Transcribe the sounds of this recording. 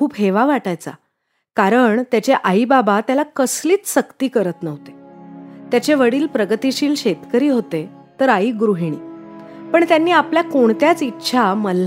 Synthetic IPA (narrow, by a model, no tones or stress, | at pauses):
kʰuːbɦeʋaʋaʈajt͡sa̰ | kaɾəɳt̪jat͡ɕeʔaibabat̪jalakəsliːt͡sɕəkt̪iːkəɾət̪nəɦt̪e̥t̪jat͡ɕeʋəɽiːlpɾəɡət̪iɕiːlɕet̪kəɾiːɦot̪e | t̪əɾaiːɡɾuɦiɽ̃ḭːpəɳt̪janːiːapljakoɳt̪jat͡sitːɕʰaməlː